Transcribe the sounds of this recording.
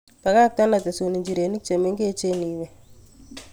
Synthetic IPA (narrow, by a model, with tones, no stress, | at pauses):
pa˨ka˦k̚t̪a˦na˨t̪e˨so˨ni˨ɲd͡ʒi˨ɾe˨ni˦k̚t͡ʃe˨me˦ŋɡe˦t͡ʃe˦ni˨wɛ˨